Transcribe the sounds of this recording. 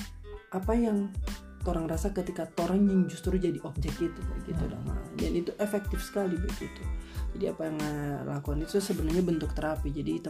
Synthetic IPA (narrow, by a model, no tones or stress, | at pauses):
ʔapajaŋ | t̪oɾaŋrasakət̪ikat̪oɾaŋjaŋd͡ʒust̪ɾud͡ʒadiʔɔb̚d͡ʒɛkit̪ukaɡit̪uda̰ma̰ɾa̰danit̪uʔɛfɛk̚t̪ɪfsə̥kalibakḭt̪ud͡ʒadia̰pajaŋəlakuanit̪usəbənarɲabənt̪ʊk̚t̪əɾapid͡ʒadiːt̪u